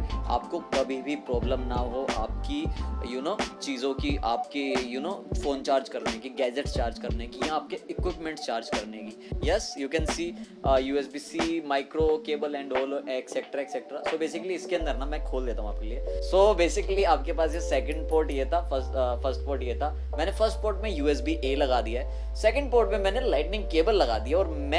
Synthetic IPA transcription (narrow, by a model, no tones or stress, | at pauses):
a̰ːp̚kokɐbʱibʱipɾɔːblə̃mnɐɦoʔaːp̚kijunoːt͡ʃiːzõkiʔaːpkejunoːfoːnt͡ʃaːɾd͡ʒkɐɾnekiɡɛːd͡ʒeʈst͡ʃaːɾd͡ʒkɐɾnekijãaːp̚keɪkwɪpmɛ̃ɳʈst͡ʃaːɾd͡ʒkɐɾnekijɛsjuːkɛ̃nsiː | juːɛsbiːsiːmaːɪkɾokeːbəlɛ̃ːɳɖoːloʔɛksɛk̚ʈɾaeksɛk̚ʈɾa̰soːbeːsɪkəliɪskeɐ̃nd̪əɾnɐmɛ̃kʰoːld̪eːt̪aɦũaːp̚keliesoːbeːsɪkəliaːp̚kepaːsjesɛkə̃ɳɖpoːɾʈjeːt̪ʰafəsfʰɐɾsʈ̚poːɾʈjeːt̪ʰa | mɛːnefəɾsʈ̚poːɾʈmẽjuːɛs̬biʔelɐɡaːd̪ijaɦɛ | sɛkə̃ɳɖ̚poːɾʈmẽmɛ̃ːnelaɪʈnɪ̃ŋɡkeːbəlːɐɡa̰ːd̪ijaɔːɾmɛ̃